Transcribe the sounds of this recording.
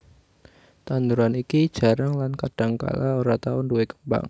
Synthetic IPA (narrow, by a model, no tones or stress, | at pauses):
t̪anduɾanikid̥ʒ̥a̤ɾaŋlankad̥a̤ŋka̰laoɾat̪aʊnduwekəmba̰ŋ